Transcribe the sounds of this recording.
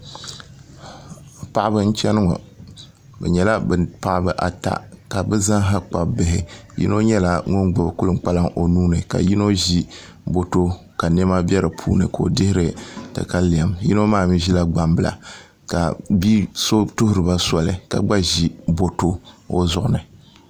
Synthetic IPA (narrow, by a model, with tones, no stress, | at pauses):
pa˨ʔbɨ˦n̩˦t͡ʃɛ˦nɨ˦ŋɔ̰˨ | bɛ̰˨ɲɛ˨la˦bɨ˨pa˨ʔbɨ˦ʔa˨ta̰˨ka˨bɨ˦za˦ŋɦa˦k͡pa˨bɨ˨ɦɪ˨jḭ˦no˦ɲɛ˦la˨ŋɔ˦ŋɡ͡bʊ˨bkʊ˦lɨ˨˦k͡pa˦la˦ŋʔo˨nuː˦nɨ˨ka̰˨ji˦no˦ʒi˦ | bo˦to˦ | ka˨nɛ˦ma˦bɛ˦ɾɨ˨pʰuː˦nɨ̰˨ko˨o̰˨dɪ˦hɪ˦ɾɨ˨tɨ̰˨ka˦li˨a˨mji˦no˦maː˦˨mi˦ʒi˦la˦ɡ͡ba˨mbɨ˨la̰˨ | ka̰˨bi˦so˦tʊ˦hʊ˦ɾɨ˨ba˦sɔ˨lɨ˨ka̰˨ɡ͡ba˦ʒi˦bo˨to˦o˦zʊ˨ʔʊ˦nɨ˨